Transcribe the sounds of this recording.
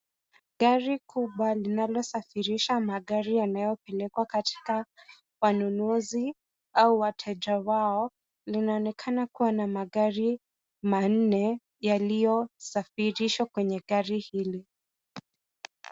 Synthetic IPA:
ɠaɾikʰuɓwalinalɔsafiɾiʃamaɠaɾijanajɔpɛlɛkwakatʰi̥ka | wanunuzi | auwatʰɛʄawaɔ | linaɔnɛkʰanakuwanamaɠaɾi | man̩nɛ | jalijɔsafiɾiʃwakwɛɲɛɠaɾihili

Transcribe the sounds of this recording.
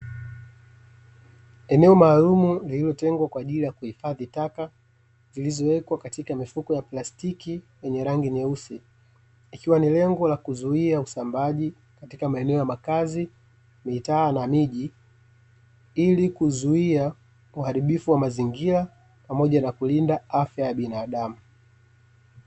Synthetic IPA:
ɛnɛɔmaːlumulililɔtɛŋɡwakwaːʄilijakuhifaðitaka | zilizɔwɛkwakatikamifukɔjaplastikiwɛɲɛɾaŋɡinɛusi | ikiwanilɛŋɡɔlakuzuiausambaʄi | katikamaɛnɛɔjamakazi | mitaːnamiʄi | ilikuzuia | uhaɾiɓifuwamaziŋɡila | pamɔʄanakulindaafjajaɓinaːɗamu

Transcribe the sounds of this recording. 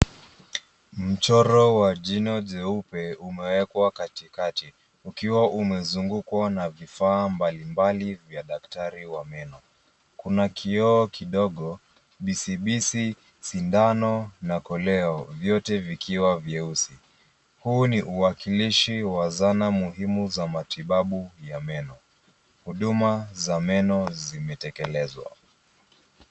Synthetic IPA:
m̩t͡ʃɔɾɔwad͡ʒinɔd͡ʒɛupɛumɛwɛkwakatikati | ukiwaʔumɛzuŋɡukwanavifaːmbalimbalivjaɗaktaɾiwamɛnɔ | kunakʰiɔːkʰiɗɔɠɔ | ɓisiɓisi | sindanɔnakɔlɛɔvjɔtɛvikʰiwavjɛusi | huːniʔuwakiliʃiwazanamuɦimuzamatiɓaɓujamɛnɔ | huɗumazamɛnɔzimɛtɛkɛlɛzwa̰

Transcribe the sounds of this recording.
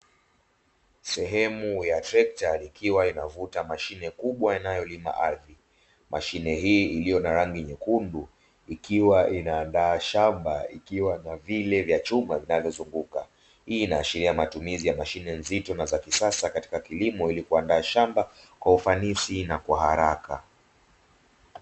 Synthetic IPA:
sɛɦɛmujatɾɛk̚talikʰiwainavutamaʃinɛkuɓwaanajɔlima̰ʔaði | mʔa̰ʃinɛɦiːilijɔnaɾaŋɡiɲɛkundu | ikiwaʔinaːndaːʃambaḭkiwanavilɛvjat͡ʃumavinavjɔzuŋɡuka | hiːnaːʃiɾiamatumizijamaʃinɛnzitɔnazakisasakati̥kakilimɔilikuandaːʃamba | kwaufanisinakwaɦaɾaka̰

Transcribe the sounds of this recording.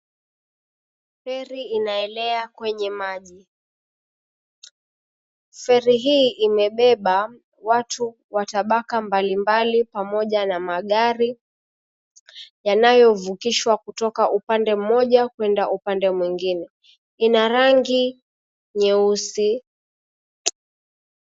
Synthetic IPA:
fɛɾiinaɛlɛakwɛɲɛmaʄi | fɛɾiɦiːʔimɛɓɛɓa | watʰu | wataɓakambalimbalipamɔʄanamaɠaɾi | janajɔvukiʃwakutɔkaʔupandɛm̩mɔʄakwɛndaʔupandɛmwiŋɡinɛ | inaɾaŋɡi | ɲɛusi

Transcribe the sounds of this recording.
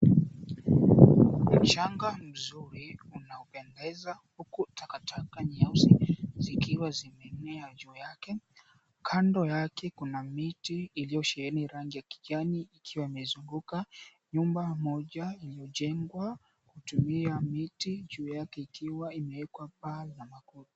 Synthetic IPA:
m̩t͡ʃaŋɡam̩zuɾiunaɔpɛndɛzahukutʰakatʰakaɲiasizikiwazimɛnɛad͡ʒuːjakɛ | kʰandɔjakɛkunamitiːlijɔʃɛɛniɾaŋɡijaki̥ʄaniːkʰiwaimɛzuŋɡuka | ɲumbamɔʄailijɔʄɛŋɡwa | kutumiamitid͡ʒuːjakɛikiwaimɛɛkwapalamakuti̥

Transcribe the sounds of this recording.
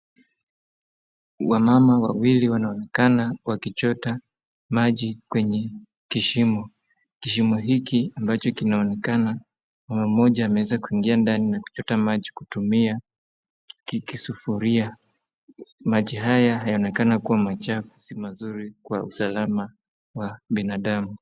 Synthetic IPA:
wamamawa̰wiliwanaɔnɛkanawakit͡ʃɔta | maʄikwɛɲɛ | kiʃimɔ | kiʃimɔɦikiambat͡ʃɔkinaɔnɛkana | mamam̩ɔʄaːmɛwɛzakuiŋɡiandaninaku̥t͡ʃɔtamaʄikutumia | kikisufuɾia | maʄiɦajaɦajaɔnɛkanakuwamat͡ʃafu̥simazuɾikwausalama | waɓinaɗamu

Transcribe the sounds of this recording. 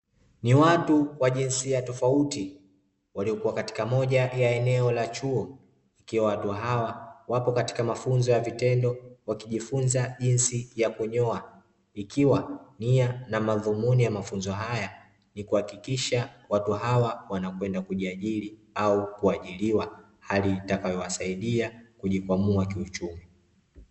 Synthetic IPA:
niwatuwaʄinsiatɔfauti | waliɔkuwakati̥kamɔʄajaɛnɛɔlat͡ʃuɔ | ikiwawatuɦawawapɔkati̥kamafunzɔjavitɛndɔwakiʄifunzaʄinsijakuɲɔa | ikiwanianamaðumunijamafunzɔɦaja | nikuhakikiʃawatuɦawawanakwɛndakuʄiaʄiliaukuaʄiliwa | halitakajɔwasaiɗiakuʄikwamuakiut͡ʃumi

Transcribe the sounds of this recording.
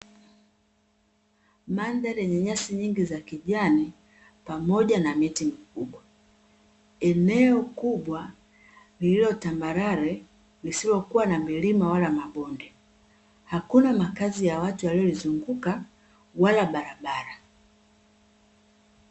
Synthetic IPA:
mandalɛɲɛɲasiɲiŋɡizakiʄani | pamɔʄanamitimikuɓwa | ɛnɛɔkuɓwa | lililɔtambaɾaɾɛ | lisilɔkuwanamilimawalamaɓɔndɛ | hakunamakazijawatuwaliɔlizuŋɡuka | walaɓaɾaɓaɾa

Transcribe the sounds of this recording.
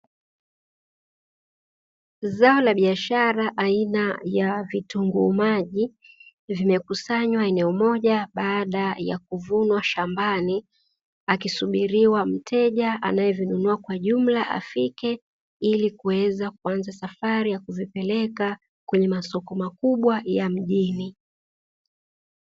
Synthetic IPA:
zaɔlaɓiaʃaɾaʔainajavituŋɡumaʄi | vimɛkusaɲwaɛnɛɔmɔʄaɓaːɗaja̰kuvunwaʃambani | akisuɓiɾiwam̩tʰɛʄaa̰najɛvinunuakwaʄum̩laʔa̰fikɛ | ilikuwɛzak̚uanzasafaɾijakuvipɛlɛka | kwɛɲɛmasɔkɔmakuɓwajam̩ʄini

